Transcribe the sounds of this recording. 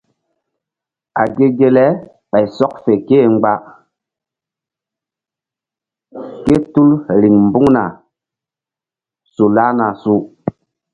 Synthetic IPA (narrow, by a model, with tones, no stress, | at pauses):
a˨ɡe˦ɡe˦lɛ˦ | ɓa˨jsɔ˦k̚fe˨ke˦˨ŋ͡mɡ͡ba˦ | ke˦tu˦lɾi˨ŋm̩˨bu˦ŋna˨ | su˨la˦na˨su˦